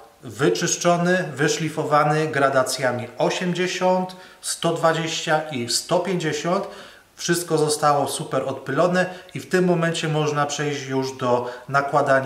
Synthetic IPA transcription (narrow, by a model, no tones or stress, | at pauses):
vɘt͡ʂɘʂt͡ʂɔnɘvɘʂlʲifɔvanɘɡɾad̪at̪sʲjamʲiɔɕɛmd͡ʑeɕɔnt̪ | st̪ɔd̪vad͡ʑeɕt͡ɕaʔist̪ɔpʲjeɲd͡ʑeɕɔnt̪ | fʂɘst̪̚kɔzɔst̪awɔsupɛɾɔt̪pɘlɔnɛift̪ɘmːɔmɛnt͡ɕɛmɔʐnapʂɛjʑjuʐd̪ɔnakwad̪aɲ